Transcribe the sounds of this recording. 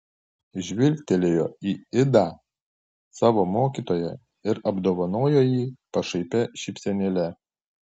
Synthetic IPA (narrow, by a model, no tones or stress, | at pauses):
ʒʲʋʲɪlʲt̪ʲɛlʲeːjo̰ːiːɪd̪ɑ | sɑːʋoːmoːkʲiːˑt̪oːjɛ̰ | ɪɾɐbd̪oːʋɐnoːjoːjiːpɐʃɐɪpʲɛʃʲɪpʲsʲɛnʲɪlʲɛ